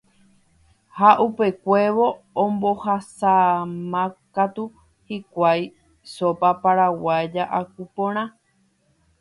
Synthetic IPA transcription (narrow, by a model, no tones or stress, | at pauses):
haʔupe̞kʷe̞ʋõ̞ː | mbohasamãkat̪u | hikʷaj | sopapaɾawad͡ʒaʔakupõɾ̃ã